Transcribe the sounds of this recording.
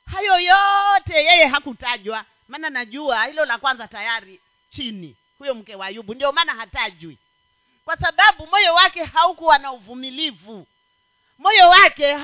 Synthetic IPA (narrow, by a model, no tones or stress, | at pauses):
hajɔjɔtɛjɛjɛɦakutaʄwa | maːnanaʄuahilɔlakwanzatajaɾi | t͡ʃinḭ | hujɔm̩kɛwajuɓundiɔmaːnaɦataʄwi | kwasaɓaɓumɔjɔwakɛhaukuwanauvumilivu | mɔjɔwakɛ